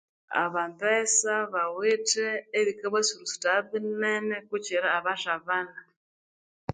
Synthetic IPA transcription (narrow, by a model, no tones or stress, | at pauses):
a̰βambesaβawiteːβikaβesiɾusu̥taβinenekut͡ʃiɾaːβaʃaβana